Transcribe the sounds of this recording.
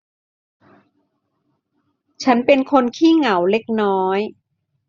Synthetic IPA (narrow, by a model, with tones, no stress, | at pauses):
t͡ɕʰa˦˥npe˧nkʰo˧nkʰiː˥˩ŋa˩˦wle˦˥k̚nɔː˦˥j